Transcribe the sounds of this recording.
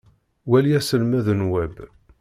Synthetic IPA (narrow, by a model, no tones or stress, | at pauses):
wæliæsəlmæðənwæb